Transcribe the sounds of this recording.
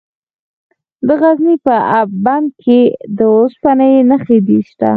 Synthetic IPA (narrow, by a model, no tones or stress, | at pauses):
d̪əɣaznipəʔaband̪̚kʰed̪əospanəjnaxed̪iʃt̪a̰